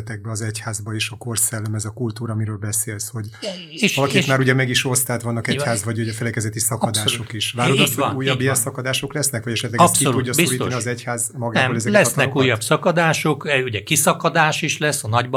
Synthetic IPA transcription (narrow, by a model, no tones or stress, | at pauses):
t̪ɛɡ̚bɛɒzɛchaːzbɒiʃɒko̞rsɛlːɛmɛzɒkult̪uːɾɒmiɾøːlbɛseːlsho̞ɟ | eʃɒlɒkit̪maːɾuɟɛmɛɡiʃo̞st̪aːt̪ʋɒnːɒkɛhaːzvɒɟuɟɛfɛlɛkɛzɛt̪isɒkɒd̪aːʃo̞kiʃʋaːɾɾd̪osonuːjːɒbːijɛnsɒkɒd̪aːʃo̞klɛsnɛkʋɒɟɛʃɛt̪lɛɡɛssioluɟːɒsbisuɾiːt̪niɒzɛchaːzmɒɡanːɛboːlɛzɛlɛt̪nɛkuːjːɒsɒkɒd̪aːʃo̞kuɟɛkisɒkɒd̪aːʃiʃlɛsːɒnɒɟb